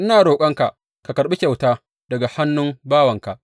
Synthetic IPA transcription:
ʔɪ˦naː˨ɽoː˨kʷʼɐ˦ŋka˨ʔ | ka˨kɐ˨ɾɓi˦kʲa˨wtaː˦ | dɐ˨ɡa˨ha˦nːʊ˦mbaː˦wɐ˨ŋka˨

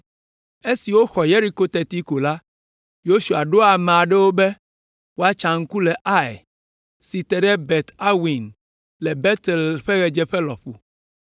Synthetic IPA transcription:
e˦si˨wo˦xɔ˨je˦ɾi˦ko˦t̪ɛ˨t̪i˦ko˨la˦ | jo˦ʃu˨a˨ɖo˦a˨mẽ˨a˨ɖɛ˦wo˦bɛ˦ | wo˦a˦t͡ʃa˨ŋ̩˦ku˦lɛ˨ʔa˦j | si˨t̪ɛ˨ɖɛ˦bɛ˨t̪a˦wi˨n | lɛ˨bɛ˦t̪ɛ˨lɸɛ˦ɣɛ˨d͡ʒɛ˦ɸɛ˦lɔ̰˨ɸu˨

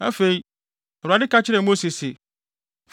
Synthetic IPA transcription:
a̰˦fe˨i˦ | a˨ɾa˨dɪ˦ka˦t͡ɕʰɪ˦ɾɛ˨mo˦si˨ssɪ˨ | f

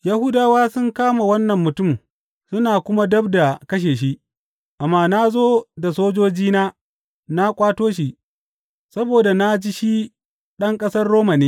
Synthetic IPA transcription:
ja˦hʊ˦daː˦waː˦sʊ˦ŋkaː˦ma˨wɐ˦nːɐ˨mːʊ˨tʊ˦˨m | sʊ˦naː˨kʷʊ˦ma˦dɐ˦bda˨kɐ˦ʃ̬eː˨ʃ̬i˦ | ʔa˨mːaː˦na˦zoː˦da˨soː˦d͡ʒoː˦d͡ʒiː˦naː˦ | na˦kʷʼaː˦toː˦ʃ̬i˨ | sɐ˦boː˨da˨na˦d͡ʒi˦ʃi˦ | ɗɐ˦ŋkʼɐ˦sɐ˦rːoː˦ma˨neː˦

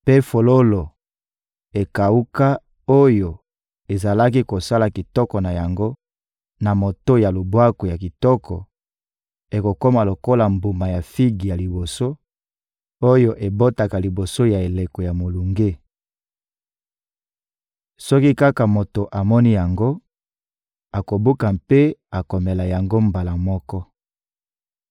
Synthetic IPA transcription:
pe˦fo˨lo˦lo˨ | e˨ka˨u˦ka˦ | o˦jo˨ | e˨za˨la˦ki˦ko˨sa˦la˨ki˨tɔ˦kɔ˨na˨ja˨ŋɡo˦ | na˨mo˨to˦ja˨lo˨bwa˦ko˨ja˨ki˨tɔ˦kʰɔ˨ | e˨ko˨ko˦ma˨lo˨ko˦la˨mbu˨ma˨ja˨fi˦ɡi˨ja˨li˨bo˨so˦ | o˦jo˦ʔe˨bo˦ta˨ka˨li˨bo˨so˦ja˨e˨le˨kɔ˨ja˨mo˨lu˨ŋɡe˦ | sɔ˦ki˦ka˦ka˨mo˨to˨ʔa˨mɔ˦ni˦ja˨ŋɡo˦ | a˨ko˨bu˦ka˨mpe˦a˨ko˨me˨la˨ja˨ŋɡo˦mba˨la˨mɔ˦kɔ˦

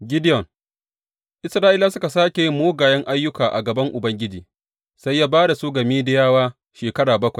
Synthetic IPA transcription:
ɡʲɪ˦dɪ˦jɔ˨ŋ | ʔɪ˦sɾaː˦ʔɪ˦laː˦sʊ˦ka˨saː˦kʲe˨jɪ˦mːoː˦ɡaː˨jɐ˦ŋʔa˦jːʊ˦kaː˨ʔa̰˨ɡɐ˨bɐ˦ŋʔʊ˨bɐ˦ŋɡʲɪ˦d͡ʒiː˨ | sa˦jːaː˦baː˦da˨suː˦ɡɐ˨miː˦dɪ˦jaː˦waː˦ | ʃeː˨kɐ˦ɽaː˨bɐ˦kʷɐ˨j

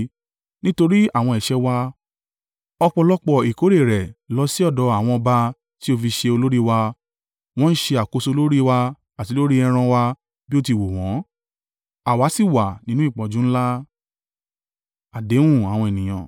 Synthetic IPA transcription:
nĩ˦to˧ɾi˦a˦˨w̃ɔ̃˧ɛ˨ʃɛ˧˦wa˧ | ɔ˧k͡pɔ˧lɔ˦k͡pɔ˦˨i˨ko˨˦ɾe˦˨ɾɛ˨lɔ˧si˦ɔ˦˨dɔ˨˦a˦˨w̃ɔ̃˧ɔ˧ba˧ | ti˦o˧fi˧ʃe˧o˧lo˦ɾi˦wa˧ | w̃ɔ̃˦n̩˦ʃe˧a˨ko˧so˧lo˦ɾi˦wa˧ | a˨ti˧˦lo˦ɾi˦ɛ˧ɾ̃ã˧wa˧ | bi˦o˦˧ti˧˨wo˨w̃ɔ̃˨˦ | a˨wa˨˦si˦˨wa˨nĩ˦nũ˦i˦˨k͡pɔ̃˨d͡ʒũ˦n̩˦la˦ | a˨dẽ˨˦ũ˦˨a˨w̃ɔ̃˧e˨nĩ˨j̃ã̰˨

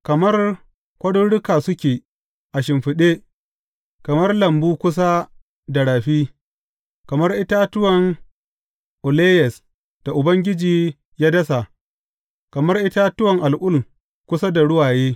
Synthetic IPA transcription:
kɐ˨mɐ˦r | kʷɐ˦dʊ˦ɽʊ˦kaː˨sʊ˦kʲeː˨ | ʔa˨ʃɪ˨mɸɪ˨ɗeː˦ | kɐ˨mɐ˦rlɐ˨mbuː˦kʷʊ˦s̬a˦ | da˨ɽaː˨ɸiː˦ | kɐ˨mɐ˦rʔɪ˦ta˦tʊ˦wɐ˨ŋ | ʔʊ˨leː˦jɛ˨s | d̥a˨ʔʊ˨bɐ˦ŋɡʲɪ˦d͡ʒiː˨ | jaː˦dɐ˦sa˨ʔ | kɐ˨mɐ˦rʔɪ˦ta˦tʊ˦wɐ˨ŋʔa˨lʔʊ˦l | kʷʊ˦sa˦da˨ɽʊ˦waː˨jeː˦

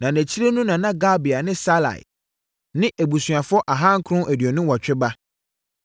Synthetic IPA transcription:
nã˨næ̃˨t͡ɕʰi˦ɾe˦nũ˦nã˨nã˦ɡa˦bi˨a˨nɪ̃˦sa˦la̰˨j̰ | nɪ̃˦ʔæ˨bu˨sɥa˨fʊ˦ɔ˦ʔa˨ɦã˦ŋ̩˦kʰʊ̃˦ʔæ˨dɥɔ˨nʊ̃˦wɔ˨t͡ɕᶣɪ˦ba˦

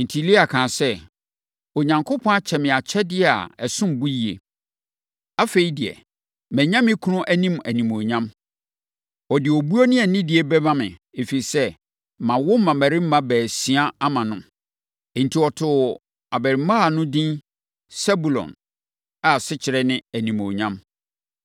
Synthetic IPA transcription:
n̩˨tʰi˨li˦a˨kʰãː˨sɛ˦ | ɔ˨ɲã˨ŋkʰʊ˦pʰɔ̃˦a˦t͡ɕʰɛ˨mɪ̃˨a˨t͡ɕʰɛ˦dɪ˦˨a̰˨ɛ˨sʊ̃˦m˨bu˦ji˨ḛ˨ | a˦fe˨i˦dɪ˨ɛ̰˨ | mæ̃˨ɲã˦mɪ̃˦kʰu˦nʊ̃˦ʔæ˦nĩ˦mæ˨nĩ˨mo˨ɲã˦m | ɔ˨dɪ˨ɔ˨bu˦o˦nɪ̃˦ɛ˨nɪ̃˦dɪ˨ɛ˨bɛ˦bã˦mɪ̰̃˨e˨fi˨i˨sɛ˦ | mã˨wʊ˦m̩˦mã˨mæ˨ɾɪ̃˦m̩˦mã˦bæː˨si˨˦a˦a˦mã˨nʊ̃˦m˨ | n̩˨tʰi˨ɔ˨tʰʊ˨ | a˨bæ˨ɾɪ˨˦mã˦a˨nʊ̃˦dĩ˦n | sɛ˦bu˨lɔ̰̃˨n | a˨sɪ˦t͡ɕʰɪ˨ɾɛ˦nɪ̃˦æ˨nĩ˨mo˨ɲã˦m

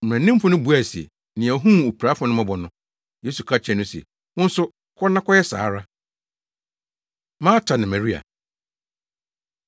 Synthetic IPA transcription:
m̩˨æ̃˨nːɪ̃˦m˦fʊ̃˦nʊ̃˦bu˨˦æ˨si˨ɛ̰˨ | nɪ̃˨æ˨ɦũ˦˨o˨pʰɾa˨˦fʊ˦nʊ̃˦mã˦bɔ˨nʊ̃˦ | je˦su˨kʰa˦t͡ɕʰɛ˨nʊ̃˦sɛ̰˨ | wʊ̃˦n̩˦sʊ˦ | kʰɔ˦nã˦kʰɔ˦jɛ˦sa̰ː˨˦ɾa˦ | mãː˦tʰa˨nɪ̃˨mæ̃˨ɾi˦a̰˨

